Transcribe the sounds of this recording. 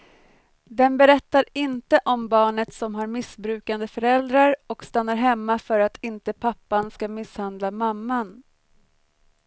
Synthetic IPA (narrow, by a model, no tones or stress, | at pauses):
d̪ɛnbɛɾɛt̪ːaɾɪnt̪əʔɔmbɑːɳət̪sɔmɦaɾmɪsbɾʉ̟ːkand̪əfœɾɛld̪ɾaɾɔkst̪anːaɾɦɛmːafœɾat̪ʰɪnt̪əpʰapːanskamɪshand̪lamamːan